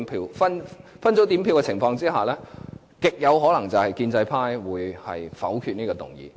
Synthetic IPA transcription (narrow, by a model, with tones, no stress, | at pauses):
pʰiː˧wfɐ˥nfɐ˥nt͡so˨˥t̪iː˨˥mpʰi˧wkɛ˧t͡sʰɪ˨˩ŋfɔː˧ŋt͡siː˥haː˨˩lɛː˥ | kɪ˨k̚jɐ˨˧wɦɔː˨˥lɐ˨˩ŋt͡sɐ˨whɐ˨jkiː˧nt͡sɐ˧jpʰaː˥jwuː˨˧jhɐ̰˨jfɐ̰˨˥wkʰy˧t̚niː˥kɔː˧t̪ʊ̰˨˩ŋjḭː˨˧